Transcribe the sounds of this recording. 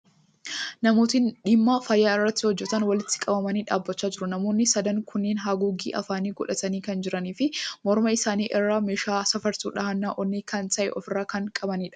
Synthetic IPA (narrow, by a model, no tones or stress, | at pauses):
nɐmoːt̪ɪnᶑɪmːaːfɐjːaːɪrːɐt̪ːɪhɔd͡ʒːɛt̪ɐnwɐlɪt̪ːɪ̥kʼɐbɐmɐniːᶑaːbːɐt͡ʃːaːd͡ʒɪɾʊnɐmo̞ːnːɪsɐd̪ɐŋkʰʊnːeːnɦaːɡuːɡḭːʔɐ̰faːniːɡɔᶑɐt̪ɐniːkɐnd͡ʒɪɾɐniːfɪmɔɾmɐɪsaːniːʔɛrːaːmeːʃaːsɐfɐɾt̪uːᶑɐhɐnːaːʔɔnːikɐnt̪ɐʔɛ̰ʔɔfɪrːaːkɐŋkʼɐbɐniːᶑɐ̥